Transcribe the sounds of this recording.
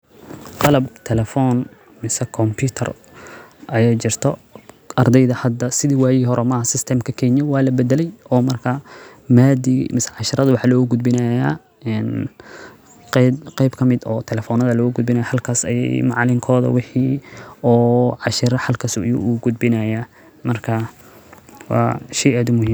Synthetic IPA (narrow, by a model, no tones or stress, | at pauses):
qɑlɐb̚t̪ʰɛlɛfɔːn | mɪsɛkʰɔmpʰut̪ʰɐ̰r | ʔɐjajt͡ʃɪrt̪ʰɔ | ʔɐrd̪ɛjðɐhɐd̪ːɐsɪðiːwɑːjiɦɔɾɔmɐhɐsɪst̪ʰɛmkʰɐkʰɛɲɔwɑːlɐbɛd̪ɛlɛjɔːmɐrkʰɐmaːd̪imɪsɛʕɑʃɪɾɐðɐwɑħɑːlɔːɣʊɡʊd̪̚bɪnɐjaː | ɛn | qqɛjbkʰɐmɪd̪ɔːt̪ʰɛlɛfɔnɐðɐlɔːɣʊɡʊd̪̚bɪnɐjɐħɐlkʰaːsɐ̰jɛ̰jmɑʕlɪŋkʰɔːðɐ̰wɪħiːɔːʕɑʃɪɾɐħɑlkʰɐsṵʔjṵuɡʊd̪̚bɪnɐja | mɐrkʰɐ | wɑ̰ːʃɛjaːd̪ʊmʊɦiːm